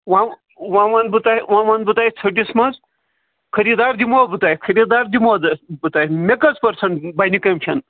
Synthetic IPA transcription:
ʋã | wãʋãnd̪bɨt̪aiʋãʋand̪̚bɨt̪ajt͡sʰɐʈismɐz | kʰɐɾid̪aɾd̪imobɨt̪aːjkʰɐɾid̪aːɾd̪imod̪bɨt̪aːjmekɐt͡spɐɾsɐɳʈbɐnʲikɐmʲt͡ʃʰɐn

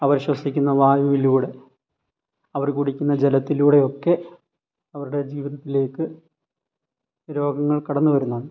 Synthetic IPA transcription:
ɐʋɐɾɕwɐsikʲːunːɐʋaːjuʋiluːɽe̞ | ɐʋɐrkuɽikʲːunːɐd͡ʑelɐt̪ːiluːɽe̞o̞kːe̞ | ɐʋɐɾuɽe̞d͡ʑiːʋiðɐt̪ːile̞ːkːɨ | ɾo̞ːɡɐŋːɐɭkɐɽɐnːuʋɐɾunːɐðɳɨ

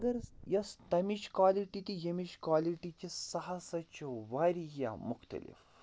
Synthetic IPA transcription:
ɡɐɾjɐst̪ɐmiʃkwaːliʈit̪ijɐmiʃkwaːliʈit͡ʃisɐɦɐsɐt͡ʃʰuʋaːɾija̰mʊxt̪ɐ̰lḭf

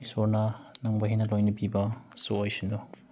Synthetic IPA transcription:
isoɾnɐnɐŋbɐɦinɐlojnɐbibɐsoojsindo

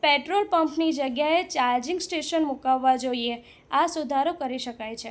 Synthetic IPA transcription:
peʈɾolpəmpnid͡ʒəɡjaet͡ʃaɾd͡ʒĩŋɡsʈeʃənmukaʋːad͡ʒoie | asud̪ʱaɾokəɾiʃəkajt͡ʃʰe

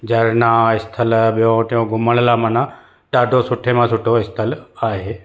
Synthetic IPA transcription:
d͡ʑɐɾnãɪst̪ʰəlɓijõt̪õɡʱʊməɽ̃lamɐnã | ʈaːɖʱosʊʈʰemãsʊʈʰoɪst̪ʰəlaːɦeː

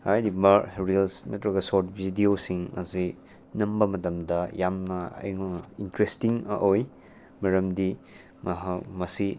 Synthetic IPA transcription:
ajdibaɾilsnɐtɾɐɡɐsoɾt̚bʱidiosiŋɐ̰zi | nɐmbɐmɐtɐmdɐjamnɐɐ̰jŋintɾestiŋɐ̰ʔoj | mɐɾɐmdi | mɐɦamɐsi

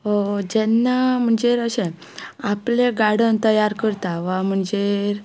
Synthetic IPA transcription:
ɦod͡ʑɛnːam̤əɳd͡ʑeɾəɕẽ | apleɡaɽənt̪əjaɾkəɾt̪aʋam̤əɳd͡zeɾ

